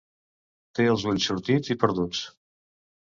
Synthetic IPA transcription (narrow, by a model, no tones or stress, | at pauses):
t̪eəlˠzβunsuɾt̪id͡zipəɾðut͡s